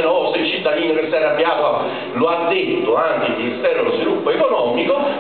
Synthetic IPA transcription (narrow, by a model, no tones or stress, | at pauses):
noseilt͡ʃit̪ːad̪iːnokesːɛɾabːjaːt̪oa | load̪ːet̪ːoaŋkilminist̪ɛːɾolozvilupːoekonɔːmiko